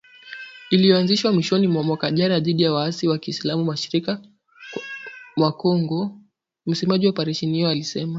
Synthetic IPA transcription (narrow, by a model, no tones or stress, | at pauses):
ilijɔanziʃwamwiʃɔnimwamwakaʄanaðiɗijawaasiwakiːslamumaʃiɾika | mwakɔŋɡɔ | m̩sɛmaʄiwapaɾɛʃɛnijɔalisɛma